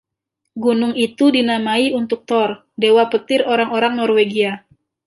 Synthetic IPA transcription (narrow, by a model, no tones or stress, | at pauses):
ɡunʊŋit̪udinamaiunt̪ʊk̚t̪ɔr | dewapət̪ɪroɾaŋoɾaŋnɔrweɡia